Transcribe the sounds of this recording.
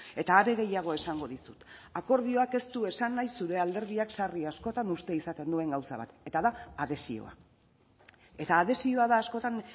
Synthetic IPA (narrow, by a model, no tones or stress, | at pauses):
e̞t̪aːɾe̞ɣe̞jaɣ̞o̞e̞saŋɡo̞ðisut̪ako̞ɾð̞io̞ake̞st̪ue̞sanːajsːuɾe̞ald̪e̞ɾð̞iaksariasko̞t̪anust̪e̞isat̪e̞nd̪ue̞ŋɡawsa̰β̞a̰t̪e̞t̪aðaːðe̞sḭo̞̰a̰ | e̞t̪aːð̞e̞sioaðaːsko̞t̪an